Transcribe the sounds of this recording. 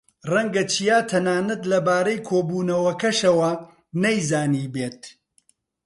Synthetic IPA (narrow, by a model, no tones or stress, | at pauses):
rɐŋɡɐt͡ʃʰijaːt̪ʰɐnaːnɐt̪lɐbaːɾɐjkʰoːbuːnɐwɐkɐʃɐwɐ | nɐjzaːniːbeːt̪̚